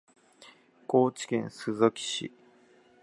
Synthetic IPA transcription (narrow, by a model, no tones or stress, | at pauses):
koːt͡ɕi̥kẽ̞ñsɨzokʲi̥ɕḭ